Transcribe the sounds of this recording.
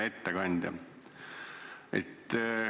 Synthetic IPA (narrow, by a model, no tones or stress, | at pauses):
et̪ːekɑnʲd̪̥ʲjɑ̰ | ḛt̪ː